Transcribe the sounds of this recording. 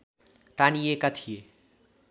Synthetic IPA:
t̪aniekat̪ʰije

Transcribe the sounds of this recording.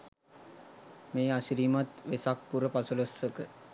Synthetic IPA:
meːasiɾiːmat̪ʋesak̚puɾəpasulosəkə

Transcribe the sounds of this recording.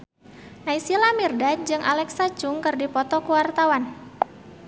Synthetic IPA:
naisilamirdad͡ʒɨŋʔa̰lɛksat͡ʃʊŋkɨrdipɔt̪ɔkuwart̪awan

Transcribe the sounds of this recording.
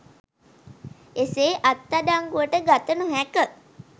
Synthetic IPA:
eseːʔat̪ːadaŋɡuʋəʈəɡat̪ənuɦækə

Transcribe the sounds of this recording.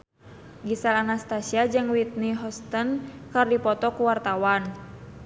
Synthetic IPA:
ɡisalanast̪asiad͡ʒɨŋwit̪̚niɦɔst̪ənkɨrdipɔt̪ɔkuwart̪awan

